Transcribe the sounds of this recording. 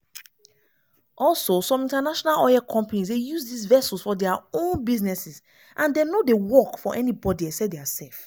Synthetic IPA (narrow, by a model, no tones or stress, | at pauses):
ʔɔlsosɔ̃mĩntanaʃɔnalɔjɛkʰɔ̃mpanisdejuzdisvɛsulsfɔdɛaõnbiznɛsis | ʔãndenodewɔkfɔʔɛnibɔdiɛsɛdeasɛlf